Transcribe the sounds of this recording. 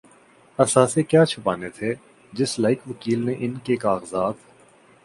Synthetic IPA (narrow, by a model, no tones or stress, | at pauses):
ɐsaːsekjaːt͡ʃʰʊpaːnet̪ʰe | d͡ʒɪslaːɪkʋəkiːlneʔɪnkekaːɣzaːt̪